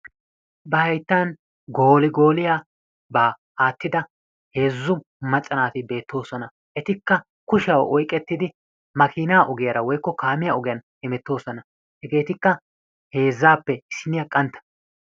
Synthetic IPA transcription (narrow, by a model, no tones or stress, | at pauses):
bɐhɐjt̪ːaːn | ɡo̞ːlɪɡo̞ːlɪjaː | baː | aːt̪ːɪd̪ɐ | he̞ːzːʊ | mɐt͡ʃʼːɐnaːt̪ɪbe̞ːt̪ːo̞ːsɔnɐ | ʔɛt̪ɪkːɐ | kʊʃɐwʔɔjkʼːɛt̪ːɪd̪ɪ | mɐkʰiːnaːʔɔɡɪjɐɾɐwɔjkːɔkaːmɪjaɔɡɪjɐnhɛmɛt̪ːo̞ːsɔnɐ | hɛɡe̞ːt̪ɪkːɐ | he̞ːzːaːpːɛɪsɪnɪjɐkʼɐnt̪ːɐ̥